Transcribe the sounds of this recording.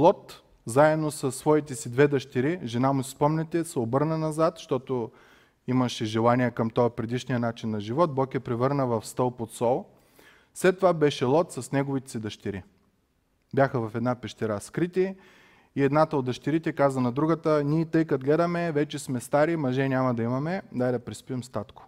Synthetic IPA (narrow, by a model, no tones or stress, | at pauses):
lˠɔt̪ | zaɛd̪nosɐsːvɔit̪ɛsid̪vɛd̪ɐʃt̪iɾiʒɛnamusi̥spɔmnɛt̪ɛsɛobɤɾnənɐzat̪ʃt̪ɔt̪o | imɐʃɛʒɛlˠaniɛkɐmt̪ɔəpɾɛd̪iʃnijənat͡ʃinːɐʒivɔt̪̚bɔkɛpɾɛvɤɾnəvɐfst̪ɤlˠpot̪sɔlˠ | slɛt̪ːovabɛʃɛlˠɔt̪sɐsnɛɡovit̪ɛ̥sid̪ɐʃt̪iɾi | bʲjaxəvɐfɛd̪napɛʃt̪ɛɾaskɾit̪i | iɛd̪nat̪əot̪ɐʃt̪iɾit̪ɛkazvənɐd̪ɾuɡət̪ənʲiɛt̪ɤjkɐt̪ɡlɛd̪ɐmɛvɛt͡ʃɛsmɛst̪aɾimɐʒɛnʲamɐd̪ɐimɐmɛd̪aid̪ɐpɾɛspiɛmst̪at̪kʊ̥